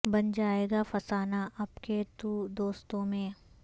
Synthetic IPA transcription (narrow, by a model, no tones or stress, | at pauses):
bɐnd͡ʒaːeːɡafɐsaːnaʔɐpket̪ud̪oːst̪õmẽː